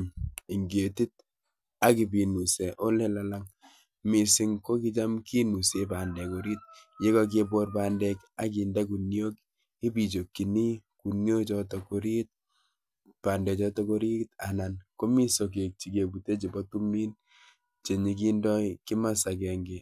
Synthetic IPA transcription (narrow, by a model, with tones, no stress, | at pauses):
i˨ŋɡe˨ti˦t̚ | a˦ki˨bi˨nu˨sɛ˨ʔo˦le˦la˦la˦ŋ | mi˨si˦ŋko˦ki˦t͡ʃa˦mki˦nu˨se˨ba˨ndɛ˨ko˨ɾi˦t̚je˦kɔ˦˧k̬e˦bo˦rpaː˨ndɛ˦ka˦k̬i˨nde˦k̬u˨njo˦k | i˦bi˨t͡ʃo˨kːi˨ni˦ku˨nɲo˦t͡ʃɔ˦tɔ˨ko˦ɾi˦t̚ | pa˨ndɛ˨t͡ʃɔ˦tɔ˦ko˦ɾi˦ta˨na˨nko˦mi˦so˨k̬e˨k̚t͡ʃi˨ke˨bu˨te˦t͡ʃi˨bɔ˦tu˦miː˦n | t͡ʃe˨ɲi˨k̬i˦ndɔ˦ikɪ˦ma˦sa˨kɛ˨ŋɡe˨